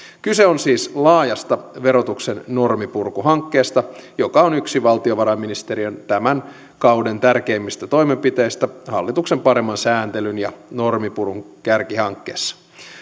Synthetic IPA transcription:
kyseonsiːslɑːjɑst̪ɑʋe̞ɾo̞t̪uksenːo̞rmipurkuɦɑŋkːe̞ːst̪ɑjo̞kɑonyksiʋɑlt̪ioʋɑɾɑmːinist̪e̞ɾiønt̪æmæn | kɑwdent̪ærke̞ːmːist̪æt̪o̞jme̞mpit̪e̞ist̪æhɑlːit̪uksempɑɾe̞mːɑnsæːnt̪elynjɑno̞rmipuruŋ | kærkihɑŋkːe̞̰ːsːɑ̥

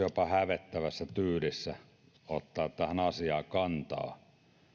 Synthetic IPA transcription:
jopɑhæʋet̪ːæʋæsːæt̪yːlisːæ | ot̪ːɑːt̪t̪æhænɑsiɑːkɑnt̪ɑ̰ː

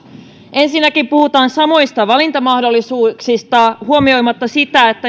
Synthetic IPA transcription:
ʔe̞nsinːækimpuhut̪ɑːnsɑmo̞jst̪ɑʋɑlint̪ɑmɑhdo̞lːisuːksist̪ɑhuomio̞jmɑt̪ːɑsit̪æet̪ːæ

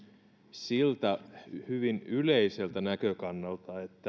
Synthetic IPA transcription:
silt̪æhyʋinyleise̞lt̪ænækøkɑnːɑlt̪ɑet̪ːæ

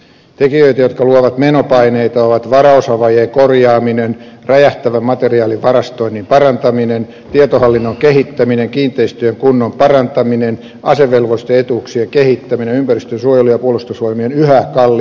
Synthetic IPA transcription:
t̪ekijøit̪æjot̪kɑluoʋɑt̪menopɑineit̪ɑoʋɑt̪ʋɑrɑosɑʋɑjeːkorjɑːminen | ræjæht̪æʋæmmɑt̪eriɑːliʋʋɑrɑst̪oinːimpɑrɑnt̪ɑminen | t̪iɑt̪ohɑlːinːoŋkehit̪ːæmineŋkiːnt̪eist̪yeŋkunːompɑrɑnt̪ɑminen | ɑseʋːelʋost̪eet̪uːksieŋkehit̪ːæminenympærist̪ønsuojelujɑpuolust̪osuojmienyhækɑlː

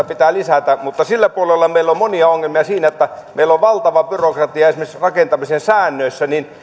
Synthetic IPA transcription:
ɑpit̪æːlisæt̪æmut̪ːɑsilːæpuolelːɑmeˑilːommoniɑoŋːelmiɑsiːnæot̪ːæmḛilːoʋʋɑlt̪ɑʋɑbyrokrɑt̪iɑesimesrɑkent̪ɑmisensæːnːøˑisːænin

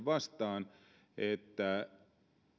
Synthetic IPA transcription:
ʋɑst̪ɑːn | et̪ːæ

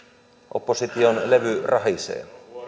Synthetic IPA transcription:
ʔo̰pːosit̪ionleʋyrʔɑɦisḛːn

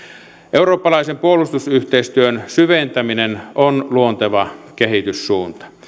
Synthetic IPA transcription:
ʔeuroːpːɑlɑisempuolust̪usyht̪eist̪yønsyʋent̪æminenonluont̪eʋɑkehit̪ysːuːnt̪ɑ̥

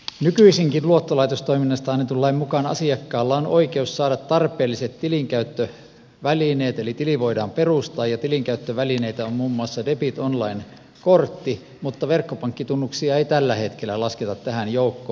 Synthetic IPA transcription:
nykyisiŋkinluot̪ːolɑit̪ost̪oiminːɑst̪ɑɑnːet̪ulːɑimmukɑnɑ̰siɑkːɑːlːɑonʔoikeussɑːɾɑt̪t̪ɑrpˑeːlːiset̪t̪iliŋkæyt̪ːø | ʋælineːt̪elit̪iliʋoidɑːmperust̪ɑːjɑt̪iliŋkæyt̪ːøʋælineit̪æommuːmːuɑsːɑdepit̪onlɑin | kort̪ːi | mut̪ːɑʋerkːopɑŋkːit̪unːuksiɑeit̪ælːæhet̪kelːˑælɑsket̪ɑt̪t̪æhænjoukːoː

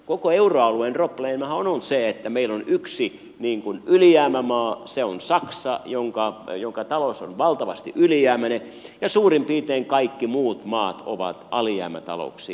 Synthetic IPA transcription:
kokoeuroɑluenropleimɑhononseet̪ːæmeilːonyksi | niːŋkunyljæːmæmɑːseonsɑksɑjoŋkɑjoŋkɑt̪ɑloso̰nʋɑlt̪ɑʋɑst̪ḭʔylijæːmæne | jɑsuːrimpiːt̪eːŋkɑikːimuːt̪mɑːt̪o̰ʋɑ̰t̪ɑliæ̰ːmæ̰t̪ɑ̰lo̰ksi

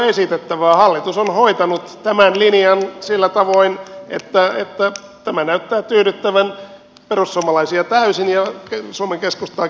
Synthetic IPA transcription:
esit̪et̪ːæʋæːhɑlːit̪usonhoit̪ɑnut̪t̪æmænliniɑnsilːæt̪ɑʋoinḛt̪ːæḛt̪ːæ | t̪æmænæyt̪ːæːt̪yːɾyt̪ːæʋæn | perussuomɑlɑisiɑt̪æysinjɑsuomeŋkeskust̪ɑː

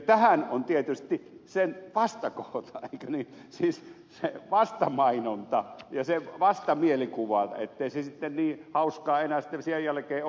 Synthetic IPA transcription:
t̪æhænont̪iet̪yst̪isenʋɑst̪ɑkoht̪ɑeikønisiːs | seʋɑst̪ɑmɑinont̪ɑjɑseʋɑst̪ɑmielikuʋɑḛt̪ːeisesit̪ːenniːhɑuskɑːenæsi̥t̪ːesihejjælæ̆keː

